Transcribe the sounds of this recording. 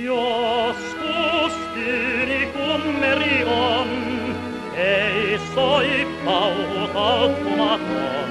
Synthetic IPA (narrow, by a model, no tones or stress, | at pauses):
joskust̪yːnikumːerion | eisoippɑuut̪ɑlt̪ːumɑk̪o̰n